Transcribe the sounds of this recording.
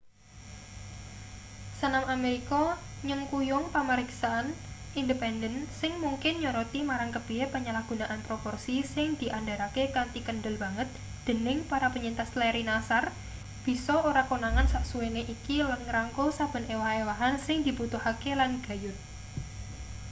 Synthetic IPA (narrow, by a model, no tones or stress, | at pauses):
sənamameɾikɔɲəŋkujʊŋpaməɾɪksaanindəpɛndənsɪŋmuŋkɪnɲɔɾɔt̪imaɾaŋkəb̥iepəɲəlahɡ̥unaʔanpɾopɔrsisɪŋd̪̥i̤ʔandaɾakekant̪ikənɖəlba̤ŋət̪̚ | d̪̥ə̤nɪŋpaɾapəɲint̪aslɛɾinasar | b̥i̤sɔoɾakonaŋansaʔsuweneʔikilanŋɾaŋkosab̥ə̤newahewaɦansɪŋd̪̥i̤put̪uhakelanɡ̥a̤jʊt̪̚